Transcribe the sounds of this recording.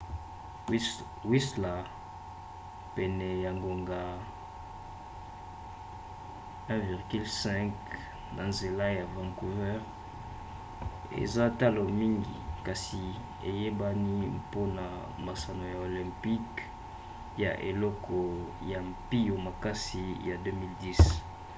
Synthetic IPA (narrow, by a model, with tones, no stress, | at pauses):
wi˦sla˨ | pɛ˨nɛ˨ja˨ŋɡo˨ŋɡa˨ | ɛ̃˦vi˨ʁɡy˦lsɛ̃˦k | na˨nze˨la˦ja˨vã˨ŋku˨vɛ˦ʁ | ḛ˨za˦ta˦lo˨mi˦ŋɡi˨ka˨si˨ | e˨je˦ba˦ni˦po˦na˨ | ma˨sa˨no˨ja˨o˨lɛ̃˨mpi˦k | ja̰˨ʔe˨lɔ˦kʰɔ˨ja˨mpi˦jo˨ma˨ka˦si˨ja˨dø˦mi˦ldi˦s